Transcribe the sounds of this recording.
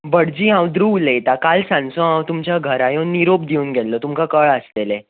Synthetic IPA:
bəɽd͡ʑiːɦãwd̪ɾuːlet̪akalsãnsõɦãwt̪umt͡ɕjaɡʱəɾajonːiɾopd̪iuːnɡʱɛlːɔt̪umkakəɭəslele

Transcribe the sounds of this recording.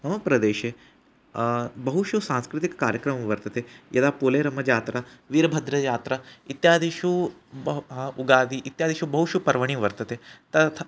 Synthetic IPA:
mɐmɐpɾɐd̪eːʃe | bɐɦuʃusãːnskɾɪt̪ikːaːɾjəkɾɐmʋɐɾt̪ɐt̪ejɐd̪aːpoːleːɾɐmɐd͡ʒaːt̪ɾaʋiɾbʱɐd̪ɾɐjaːt̪ɾɐit̪jaːd̪ʱiʃu | uɡaːd̪iʔit̪jaːd̪iʃubɐɦuʃupɐɾʋɐɽ̃iːʋɐɾt̪ɐt̪et̪ɐt̪ʰ

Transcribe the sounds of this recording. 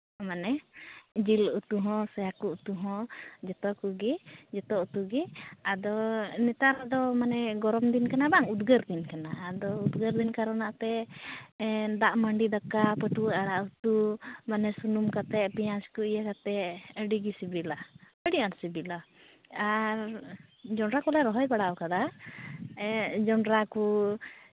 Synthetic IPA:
manɛd͡ʒilut̪uɦɔ̃sɔjakuut̪uɦɔ̃d͡ʒɛt̪ɔkuɡid͡ʒɛt̪ɔʔut̪uɡiad̪ɔnɛt̪aɾad̪ɔmanɛɡɔɾɔmd̪inkanabaŋud̪ɡəɾd̪inkanaːd̪ɔud̪ɡəɾd̪inkaɾanaʔt̪ɛ | d̪aʔməɳɖid̪akapəʈuaɾaʔut̪umanɛsunumkat̪ɛʔpijãskuijakat̪ɛəɖiɡisibila | əɽiaɾsibila | aɾd͡ʒɔɳɾakɔlaɾɔɦɔjbaɽakad̪a | d͡ʒɔɳɾaku

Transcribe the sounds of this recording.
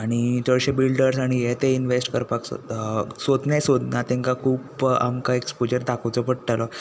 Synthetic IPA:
aɽ̃it̪əɭɕebilɖəɾsaɽ̃ijet̪einʋesʈkəɾpakssod̪njasod̪nat̪ẽŋkakʰuːpa̰mkaekspod͡ʑəɾd̪akʰəwt͡sɔpəɽʈalɔ

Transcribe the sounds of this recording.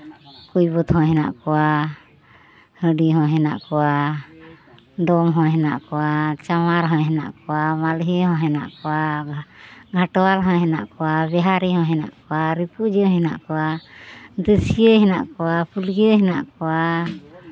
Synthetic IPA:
kujbɔt̪hɔ̃ɦɛna̰ʔkɔwa | həɖiɦɔ̃ɦɛna̰ʔkɔwa | ɖɔmɦɔ̃ɦɛna̰ʔkɔwat͡ʃamaɾɦɔ̃ɦɛna̰ʔkɔwamalɦiɦɔ̃ɦɛna̰ʔkɔa | ɡʱaʈɔwalɦɔ̃ɦɛna̰ʔkɔwabɛɦaɾiɦɔ̃ɦɛna̰ʔkɔwaɾipud͡ʒɔ̃ɦɛna̰ʔkɔwa | d̪əsijəɦɛna̰ʔkɔwapulɡiəɦɛna̰ʔkɔwa

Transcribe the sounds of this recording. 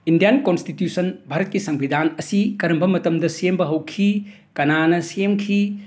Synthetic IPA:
indijankonstitjusɐnbʱaɾɐt̚kisɐŋbʱidʱanɐsikɐɾɐmbɐmɐtɐmdɐsembɐɦɐwkʰi | kɐnanɐsemkʰi

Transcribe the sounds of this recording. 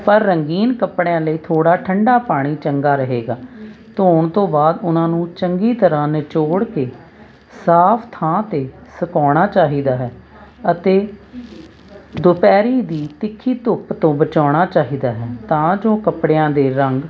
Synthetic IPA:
pəɾːəŋɡiːnkəpɽejãːləiːt̪ʰoːɽaːʈʰəɳɖaːpaːɽ̃iːt͡ʃəŋɡaːɾəɦeːɡaːt̪oːɳt̪õːbaːd̪ʊnãːnũːt͡ʃəŋɡiːt̪əɾãːnɪt͡ʃoːɽkeː | saːpʰt̪ʰãːt̪eːsəkɔːɽ̃aːt͡ʃaːɦiːd̪aːɦɛː | ət̪eː | d̪ʊpɛːɾiːd̪iːt̪ɪkʰːiːt̪ʊpt̪õːbət͡ʃaːɽ̃aːt͡ʃaːɦiːd̪aːɦɛːt̪ãːd͡ʒoːkəpɽejãːd̪eːɾəŋɡ

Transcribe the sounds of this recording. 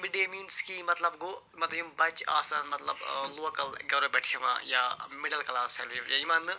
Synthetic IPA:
miɖeːmiːnskimːɐt̪lɐbɡoː | mɐt̪jumbɐt͡ʃa̰ːsaːnmɐt̪lɐblokɐlɡɐʋɾɐbɛʈʰeʋã̰ːjamɪɽɐlkɐlaːselʋiʋjaimand̪ɨ

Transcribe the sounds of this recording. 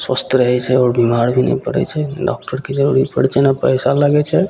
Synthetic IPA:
swəst̪ʰəɾəɦɛt͡ʃʰɛɔːɾbimaɾbʱinɛ̰jpəɽɛ̰t͡ʃʰɛɖɔ̰k̚ʈəɾked͡ʒəɾuɾipəɽt͡ʃʰɛnapəjsalaɡɛt͡ʃʰɛ

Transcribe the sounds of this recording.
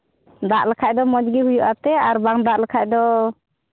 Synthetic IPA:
d̪aʔlakʰaʔ̚d̪ɔmɔd͡ʒɡiɦujuʔap̚t̪ɛaɾbaŋd̪aʔlɛkʰaʔd̪ɔ

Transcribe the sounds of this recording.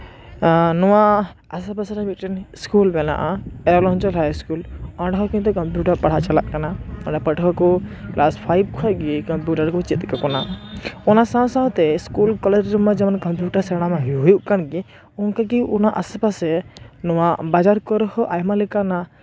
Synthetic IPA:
nɔwa | asɛpasɾabitʈɛnskulbɛna̰ʔaɛɾalɔnt͡ʃɔlɦajskulɔ̃ɖaɦɔkĩnt̪̬ɔkɔmpjuʈaɾpaɽ̤aʔt͡ʃalaʔkanaɔɖapəʈkʰɔkɔklaspʰajb̚kʰɔjɡikɔmpjuʈaɾkɔt͡ʃit̪kakɔnaɔnasãw̃sãwt̪ɛskulkɔled͡ʒɔmad͡ʒɛmankɔmpjuʈaɾsɛɽ̃amaɦɦɔjuʔkanɡi | ɔnkaɡiunaʔa̰sɛpasɛnɔwabad͡ʒaɾkɔɾhɔʔajmalikana

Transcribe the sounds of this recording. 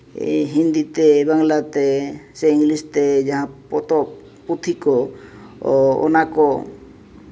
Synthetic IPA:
ɦind̪it̪ebaŋlat̪eseiŋlist̪ed͡ʒaɦãpɔt̪ɔ | put̪ʰikɔ | ɔ̰nakɔ

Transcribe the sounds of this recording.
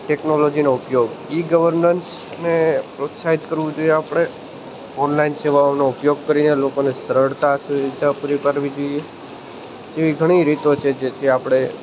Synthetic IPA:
ʈeknolod͡ʒinoʊpjoɡiɡəʋəɾnəns | nepɾot̪saɦid̪kəɾʋũd͡ʒoieapɽ̃e | ɔnlainseʋaonoʊpjoɡ̚kəɾinelokonesəɾəɽt̪asuid̪ʱapuɾipaɾʋid͡ʒoie | t̪eʋiɡʱəɽ̃iɾit̪ot͡ʃʰed͡ʒet̪ʰiapɽ̃e

